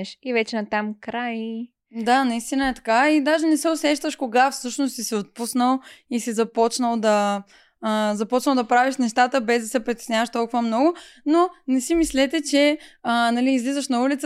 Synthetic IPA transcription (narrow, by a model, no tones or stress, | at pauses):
ɛʃivɛt͡ʃɛnɐt̪amkɾaj | d̪anɐist̪inəɛt̪ɐ̥kaid̪aʒɛnɛsɛʊsɛʃt̪əʃkoɡafsɤʃnost̪sisɛot̪̚pusnəlˠisizɐpɔt͡ʃnəlˠd̪ɐ | əzɐpɔt͡ʃnəlˠd̪ɐpɾaviʃnɛʃt̪at̪əbɛzd̪ɐsɛpɾit̪ɛ̥snʲjavəʃt̪ɔlˠkʊvəmnɔɡʊnonɛsimislɛt̪ɛt͡ʃɛənɐliːzlizəʃnɐulit̪sə